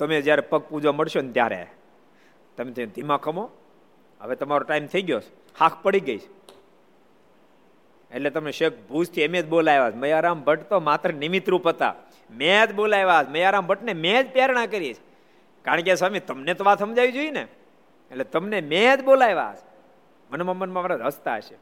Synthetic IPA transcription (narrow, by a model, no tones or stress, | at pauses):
t̪əmẽd͡ʒjaɾepək̚pud͡ʒʋaməɽʃont̪ja̰ɾḛ | t̪əmet̪ʰəjũd̪ʱimãkʰəmo | ɦə̰ʋet̪əmaɾoʈaimt̪ʰəiɡjot͡ʃ | hakʰpəɽiɡəit͡ʃʰ | ḛʈlet̪əmneʃek̚ʰbʱust̪ʰiemẽt̪bolajʋaːt͡ʃməjaɾambʱəʈt̪omat̪ɾənɪmɪt̪ɾũpət̪a̰ | met̪bolajʋaəsməjaɾambʱəʈnemẽd͡ʒpjaɾɳ̃ãkəɾiet͡ʃʰ | kaɾəɳkesʋamit̪əmnet̪oʋat̪səmd͡ʒaʋid͡ʒoine | eʈlet̪əmnemed͡ʒ̪bolajʋa̰ə̰sʰ | mənmamənmãmaɾaəst̪aəʃe